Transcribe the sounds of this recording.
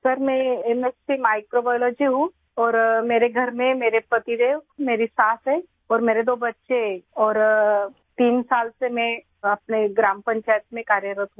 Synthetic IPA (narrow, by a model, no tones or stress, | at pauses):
sɐɾmɛ̃emespimaːɪkɾobajlɔːd͡ʒiɦũ | ɔːɾmeːɾeɡʱɐɾmẽmeːɾepɾɐt̪iɾemeːɾisaːsɦɛː | ɔːɾmeːɾed̪oːbɐtːʃeɔːɾ | t̪iːnsaːlsemɛ̃ | ɐpneɡɾaːmpə̃ɲt͡ʃaːjət̪mẽkaːɾjəɾət̪ɦũː